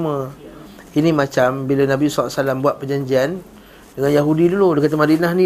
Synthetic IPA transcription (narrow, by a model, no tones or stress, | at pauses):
mə | inĩmat͡ʃambilanãbisala̰ʔsalambuaʔ̚pəd͡ʒaɲd͡ʒian | dəŋanjaɦudiduludəkat̪̬amadinahnĩ